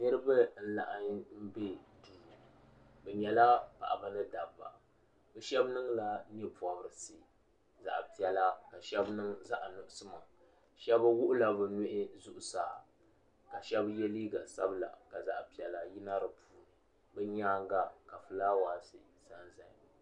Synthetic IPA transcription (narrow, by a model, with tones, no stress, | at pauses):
nɨ˦ɾɨ˦ba˦n̩˦la̰˨ʔa˨ɲ˦m̩˦be˦duː˨ | bɛ˨ɲɛ˨la˦pa̰˨ʔa˨ba˦nɨ˦da˨bːa̰˨ | bɛ˨ʃɛ˦bnɨ˦ŋla˦n˦ɛ˦pa˨bɾɨ˨si˨ | za̰˨ʔpi˨ɛ˨la˦ka˨ʃɛ˦bnɨ˦ŋza˦ʔnʊ˨ʔʊ˦sɨ˦ma˨ | ʃɛ˦ba˦wʊ˦ʔʊ˦la˦bɨ˨nʊ˦ʔɪ˦zʊ˦ʔʊ˨saː˨ | ka˨ʃɛ˦bjɛ˦li˦ɡa˨sa̰˦bla̰˨ka˨za˨ʔpi˨ɛ˨la˦ji˦na˦ɾɨ˨puː˨n˨ | bɛ˦ɲaː˦ŋ˦ɡa˦ka˨fɨ˨la˦waː˨sɨ˨ | sa˦nza˨